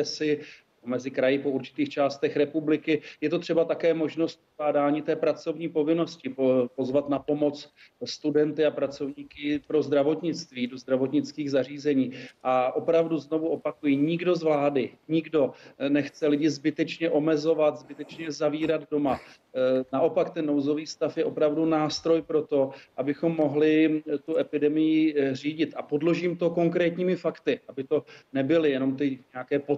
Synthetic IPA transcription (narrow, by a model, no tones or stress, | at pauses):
ɛsɪ | omɛzɪkɾajɪpouɾt͡ʃɪ̥t̪iːxt͡ʃaːst̪ɛxɾɛpublɪkɪjɛt̪ot̪r̝̥ɛbat̪akɛːmo̞ʒno̞st̪̚oaːdaːɲit̪ɛːpɾat͡so̞vɲiːpo̞vɪno̞scɪopo̞zvat̪napo̞mo̞t͡s | st̪udɛnt̪ɪapɾat͡so̞vɲiːkɪpɾo̞zd̪ɾavo̞t̪ɲɪt͡st̪viːdo̞zd̪ɾavo̞t̪ɲɪt͡skiːɣzar̝iːzɛɲiːʔaʔo̞pɾavduzno̞vuʔo̞pakujɪɲɪɡdo̞zvlaːdɪɲɪɡdo̞nɛxt͡sɛlɪɟɪzbɪt̪ɛt͡ʃɲɛʔo̞mɛzo̞vat̪zbɪt̪ɛt͡ʃɲɛzaviːɾad̪do̞ma | naʔo̞pakt̪ɛnːowzo̞viːst̪afjɛʔo̞pɾavdunaːst̪ɾo̞jpɾo̞t̪o̞ʔabɪxo̞mːo̞ɦlɪt̪uʔɛpɪdɛmɪjɪr̝iːɟɪt̪ʔapo̞dlo̞ʒiːmt̪o̞ko̞ŋkɾɛːt̪ɲiːmɪfakt̪ɪʔabɪt̪o̞nɛbɪlɪjɛno̞mt̪ɪɲɛakɛːpo